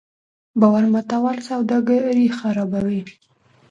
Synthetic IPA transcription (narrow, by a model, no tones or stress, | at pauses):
bawaɾmat̪awalsawd̪ɑɡaɾixaɾabawi